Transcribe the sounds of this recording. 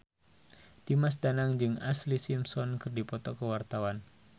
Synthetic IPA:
d̥imas̬danaŋd͡ʒɨŋa̰slisimsɔnkɨrdipɔt̪ɔkəwart̪awan

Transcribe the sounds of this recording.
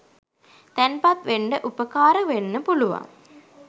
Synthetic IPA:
t̪ænpat̪ʋeɳɖəʔupəkaːɾəʋenːəpuluʋa̰ŋ

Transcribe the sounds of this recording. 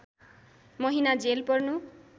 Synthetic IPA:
mʌɦinad͡zelpʌrnu

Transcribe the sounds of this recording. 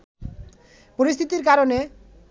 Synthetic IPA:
poɾist̪ʰit̪iɾkaɾone

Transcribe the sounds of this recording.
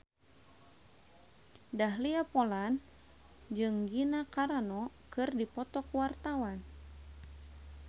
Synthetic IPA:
daɦliapolan | d͡ʒɨŋɡinakaɾanɔkɨrdipɔt̪ɔkwart̪awan

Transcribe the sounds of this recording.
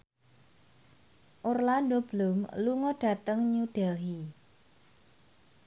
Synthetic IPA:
ʔorlandob̥lʊmluŋɔɖ̥ä̤t̪əŋɲuɖ̥ɛlɦi

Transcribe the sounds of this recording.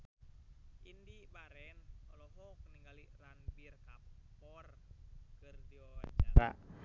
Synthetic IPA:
ʔindibaɾɛnɔ̰lɔɦɔk̚niŋɡaliranpirkappɔrkɨrdiɔad͡ʒaɾa

